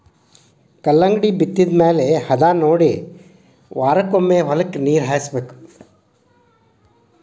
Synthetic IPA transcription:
kɐlːɐŋɡɽiːbit̪ːid̪meːlehɐd̪aːnoːɽi | ʋaːɾɐkomːeːʋɐlɐkniːɾɦaːjsbeːku̥

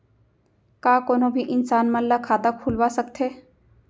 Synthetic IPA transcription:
kaːkoːnobʱiʔɪnsaːnmallakʰaːd̪akʰuːlwasək̚t̪ʰɦeː

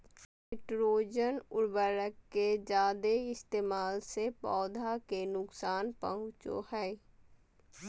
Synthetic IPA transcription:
eːʈɾoːd͡ʒənʊɽbəɾəkːed͡ʒaːd̪eɪst̪eːmaːlsepɔːd̪ʱakenʊksaːnpə̰ɦʊ̃t͡ʃo̰hɛː

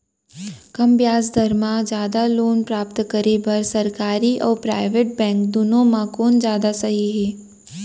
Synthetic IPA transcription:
kɐmbjaːzd̪ʱɐɾmãd͡ʒjaːd̪aloːnpɾaːpt̪kɐɾebɐɾsɐɾkaːɾiʔɔ̰ːɾpɾaːɪʋeʈ̚bɛ̃ːŋkd̪ʊnõmãkoːnd͡ʒjaːd̪asɐɦiɦɛː

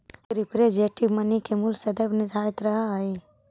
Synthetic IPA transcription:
ɾipɾed͡ʒeʈimənikemulsɐd̪əbnɪd̪ʱaːɽit̪ɾɐɦaəi

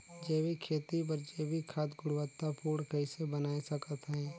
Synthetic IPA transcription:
d͡ʒeːwikʰeːt̪ip̬əɾd͡ʒeːbikʰaːt̪ɡʊɽwət̪ːapuːɽkɐɪsebənaːesɐkət̪ɦɛ̃ː

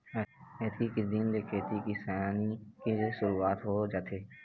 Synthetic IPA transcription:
kʰeːt̪ʰikid̪iːnlekʰeːt̪ikisaːnikesʊɾuaːt̪ɦod͡ʒaːt̪ʰeː

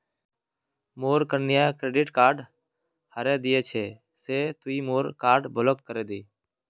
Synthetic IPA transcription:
moːɾkəɾnɪjãːkɾeːɖɪːʈkaːɾɖ | həɾẽːd̪ɪjeːt͡ʃʰeː | seːt̪uiːmoːɾkaːɾɖbʱəlokːəɾeːd̪iː

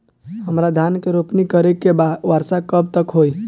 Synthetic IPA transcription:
ɦəmɾad̪ʱankeɾopnikəɾekeʋaɾsakəb̚t̪əkɦoj

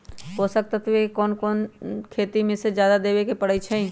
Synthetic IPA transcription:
ɦoːsək̚t̪ət̪ʰʋekɔːnkɔːnkʰeːt̪imẽsed͡ʒjaːd̪ad̪eːbekepəɽəit͡ʃʰɛĩ

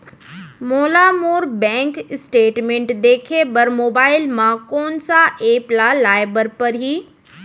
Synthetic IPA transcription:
moːlamoːɾbɛ̃ːŋksʈeːʈmẽɳʈd̪eːkʰebəɾmoːbaːɪlmãkoːnsaʔeːplalaːɪbəɾpɐɾɦiː

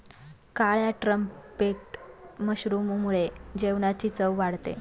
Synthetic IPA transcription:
kaɭjaʈɾəmpeʈməɕɾumumuɭed͡ʑeʋnat͡ɕit͡səʋʋaɽt̪ḛ

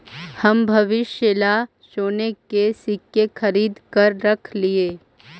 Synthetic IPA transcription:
hɐmbʱɐʋɪʃjəla | ʃoːnekesɪkjexʰɐɾiːd̪kɐɾːɐkʰlieː

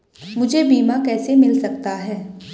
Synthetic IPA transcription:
mʊd͡ʒʱebiːmakɛːsemɪlsɐk̚t̪aɦɛː

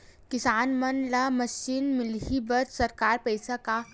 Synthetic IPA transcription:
kɪsaːnmɐnlamɐʃinmɪlɦibəɾsɐɾkaːɾpəɪsaka

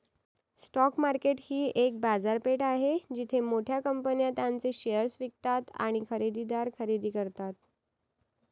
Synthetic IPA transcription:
sʈɔkmaɾkeʈhiːʔek̚bad͡zaɾpeʈaɦed͡ʑit̪ʰemoʈʰjakəmpənjat̪jãnt͡seɕejəɾsʋik̚t̪at̪a̰ɽ̃ikʰəɾid̪id̪aɾkʰəɾid̪iːkəɾt̪at̪̚

